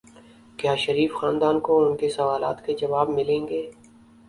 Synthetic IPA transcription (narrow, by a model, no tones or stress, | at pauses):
kjaːʃɐɾiːfxaːnd̪aːnkoʊnkesɐʋaːla̰ːt̪ked͡ʒɐʋaːbmɪlẽːŋɡeː